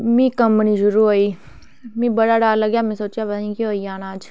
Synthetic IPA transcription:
mĩːkɐ̃mpnid͡ʒʊɾuɦoiː | mĩbəɽaɽaːlɐɡjamɛ̃soːt͡ʃjapɐt̪aːnĩkiɦoiaːnãːd͡ʒ

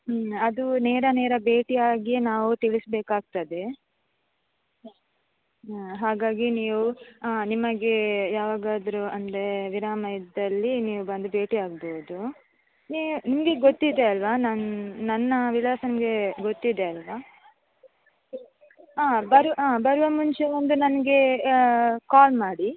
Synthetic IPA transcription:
ɐd̪uneːɾɐneːɾɐbe̞ːʈiaːɡijenaːʋut̪iɭisbeːkaːɡ̚t̪ɐd̪e̞ | ɦaːɡaːɡiniːʋuaːnimɐɡejaːʋaːɡaːd̪ɾuɐnd̪ɾɾe̞ʋiɾaːmɐjɐd̪ɐlːiniːʋubɐnd̪ube̞ːʈiaːɡboːd̪u | niːʋunimɐɡe̞ɡot̪ːid̪e̞ɐlʋaːnɐnnɐnːɐʋiɭaːsɐnimɡe̞ɡot̪ːid̪eɐlʋaː | aːbɐɾʋɐaːbɐɾɐʋɐmuɲt͡ʃeond̪unɐnɐɡe̞ | kaːlmaːɽi

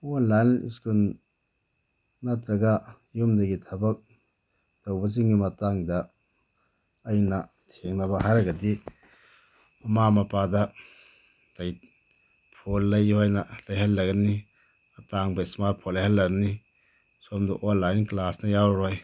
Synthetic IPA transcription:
onlajnḭskul | natɾɐɡa | jumdɐɡitʰɐbɐk̚ | d̥ɐwbɐz̬iŋɡimɐtaŋdɐ | jnɐ | tʰeŋnɐβɐɦajɾɐɡɐdi | mɐmamɐpadɐ | taj | pʰolːɐjhojnɐlɐjɦɐlːɐɡɐni | ɐtaŋbɐismaɾpʰolːajhalːɐɡɐni | somdṵʔonlajnklasnɐjawɾɾoj

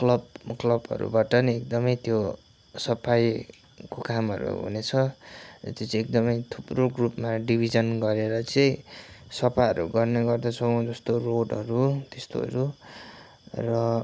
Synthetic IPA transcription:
klʌbklʌbʌ̰ɾṵbaʈʌniek̚d̪ʌmʌjt̪jo | sʌpʰaj | kokamʌ̰ɾṵɦṵnet͡sʰʌʌ̰t̪jot͡sʌ̃ek̚d̪ʌmʌjt̪ʰuproɡrupmaɖibʱid͡zʌnɡʌɾeɾʌt͡sʌĩsʌpʰajʌɾṵɡʌrneɡʌrd̪at͡sʰʌw̃d͡zʌst̪oroɖʌɾut̪est̪o̰ʌ̰ɾu | rʌ

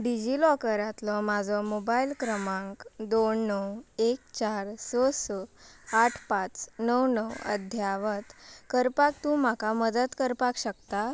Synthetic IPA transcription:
ɖid͡ʑilɔkəɾat̪lɔmad͡zʱɔmobailkɾəmãŋkd̪oɳːəwek̚t͡ɕaɾsosɔaʈʰpat͡snəwnəwə̰d̪ʱjaʋət̪kəɾpak̚t̪ũːmakaməd̪ət̪kəɾpakɕəkt̪a

